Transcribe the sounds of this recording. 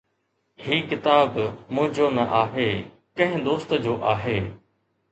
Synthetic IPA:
hiːkɪt̪aːbmʊ̃ɦɪ̃d͡ʑoːnɐʔaːɦeː | kɐ̃ɦɪ̃d̪oːst̪əd͡ʑoːʔaːɦeː

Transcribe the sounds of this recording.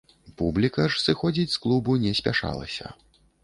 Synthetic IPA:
publʲikɐʂsɨxɔd͡zʲit͡sʲsklˠubunʲɛsʲpʲaʂa̰lˠɐ̰sʲɐ̰

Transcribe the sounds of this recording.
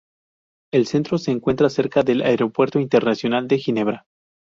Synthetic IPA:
else̞nt̪ɾo̞se̞ːŋkwe̞nt̪ɾase̞ɾkaðe̞laeɾopwe̞ɾt̪oint̪eɾnasjo̞nald̪e̞xine̞βɾa

